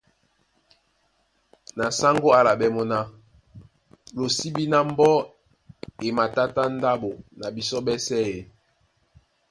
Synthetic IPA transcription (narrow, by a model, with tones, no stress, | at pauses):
na˨sa˦ŋɡo˦a˦la˨bɛ˦mɔ˦na˦ | lo˨si˦bi˦na˦m̩˦bɔ˦ | e˨ma˨ta˦ta˦n̩˦da˦bo˨na˨bi˨sɔ˦bɛ˦sɛ˦e˨